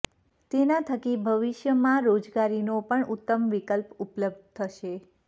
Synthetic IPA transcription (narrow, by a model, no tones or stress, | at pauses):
t̪enãt̪ʰəkibʱəʋɪʃjəmãɾod͡ʒɡaɾinopəɳut̪ːəmʋikəlpupləb̚d̪̚t̪ʰəʃe